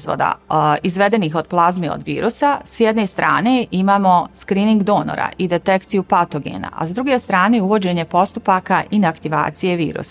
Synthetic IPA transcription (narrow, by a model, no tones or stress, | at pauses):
zʋo̰d̪a̰izʋe̞d̪e̞nixo̞d̪̥̚plˠazmeo̰d̪ʋḭːɾusasjed̪ne̞st̪ɾa̰ːne̞imaːmo̞skɾiːniŋɡd̪o̞no̰ɾa̰id̪e̞t̪e̞kt̪sijupat̪oɡe̞̰ːna̰a̰sd̪ɾuɡe̞st̪ɾaːnejuʋo̞d͡ʑe̞ɲe̞po̞st̪upakaʔinakt̪iʋa̰ːt̪sije̞ʋḭːɾṵsa